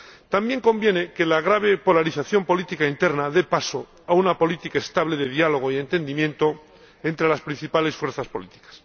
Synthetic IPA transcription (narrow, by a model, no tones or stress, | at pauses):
t̪ambje̞ŋko̞mbje̞neke̞laɣ̞ɾaβ̞e̞po̞laɾiθaθjo̞mpo̞lit̪ikaint̪e̞ɾnaðe̞paso | aunapo̞lit̪ikaest̪aβ̞le̞ðe̞ðialo̞ɣ̞oie̞nt̪e̞nd̪imjẽ̞nt̪o | ent̪ɾe̞laspɾin̟θipale̞sfwe̞ɾθaspo̞̰lit̪i̥kḁs